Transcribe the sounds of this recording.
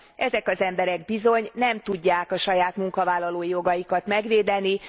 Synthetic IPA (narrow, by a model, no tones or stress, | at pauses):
ʔɛzɛkɒzɛmbɛɾɛɡbizo̞ɲnɛmt̪uɟːaːkɒʃɒjaːt̪muŋkɒvaːlːɒloːjo̞ɡɒjikɒt̪mɛɡʋeːd̪ɛni